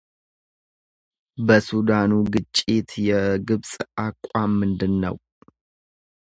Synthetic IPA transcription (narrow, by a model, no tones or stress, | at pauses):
bəsud̪anuɡɨt͡ʃʼːit̪jɛɡɨβsʼakʷʼamːɨnd̪ɨnːə̰w